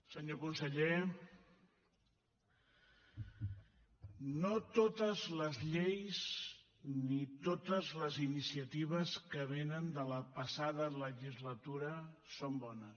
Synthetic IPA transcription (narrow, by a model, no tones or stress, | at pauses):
səɲokunsəʎe | not̪ot̪əzləzʎejz | nit̪ot̪əzləzinisiət̪iβ̞əskəβ̞enənd̪ələpəsaðələʒizlət̪uɾə | sombɔnəs